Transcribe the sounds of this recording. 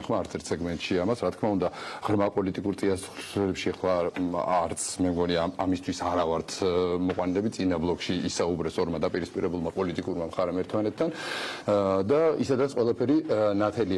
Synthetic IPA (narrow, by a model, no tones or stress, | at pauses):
χmaːɾt̪sʰɛɾt̪ʰsɛɡmɛnt̪ʼʃiamasɾat̪ʰkʰmaund̪aʁ̥ɾmapʼɔlit̪ʼikʼuɾt̪ʼiasɾɛpʃiɛχlˠa | ɾt̪sʰmɛmɡɔniaːmist̪ʰwisaɾavaɾt̪ʰmɔqʼwanilɛbit̪sʼinablˠɔkʼʃiisaubɾɛsɔɾmad̪apʼiɾispʼiɾɛbulˠmapʼɔlit̪ʼikʼuɾmamχaɾɛmɛɾt̪ʰmanɛt̪ʰd̪an | d̪aḭsad̪ɾat̪sʰqʼwɛlˠapʰɛɾinat̪ʰɛli